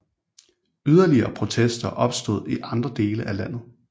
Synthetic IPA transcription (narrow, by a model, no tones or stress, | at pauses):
yð̞ˠɐliɐːpʰʁo̝t͡sʰesd̥ɐʔɒ̽b̥sd̥o̝ð̞̰ˠiʔɑ̈nd̥ʁɐd̥e̝ːləʔælæn̰ð̩ˠ